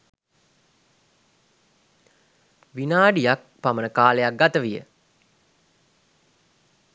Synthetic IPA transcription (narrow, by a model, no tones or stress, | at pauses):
ʋinaːɖijak̚ | pamənəkaːlejak̚ɡat̪əʋijə̰